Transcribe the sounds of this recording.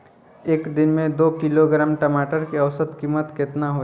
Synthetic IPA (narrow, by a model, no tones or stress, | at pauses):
eːkd̪ɪnmẽd̪oːkiloɡɾamʈəmaːʈəɾkiɐʋsət̪kiːmət̪kɪt̪naɦo